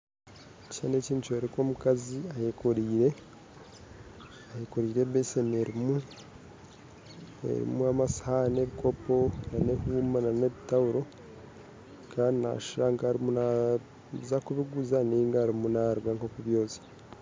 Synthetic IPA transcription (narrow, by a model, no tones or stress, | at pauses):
cane̞ːciːntueɾiko̞ːmukaziahekʰoɾiːɾe̞ | ahekoɾiːɾe̞βeseme̞ɾimu | ḛɾḭmuamasḁhane̞βikʰo̞po̞nane̞huːmanane̞βitawuɾo̞ | kʰaːndina̰ʃiɾaŋkaːɾimuna | zakuβiɡuzaniŋɡaːɾimunaɾwaːŋkokuβjo̞ːzi̥